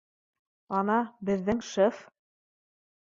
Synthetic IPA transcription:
ɑnɑbɘ̆ðːɘŋʃɤf

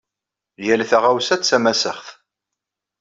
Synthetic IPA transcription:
ljælθaʁawsæt̪t͡sːæmæsə̰χθ

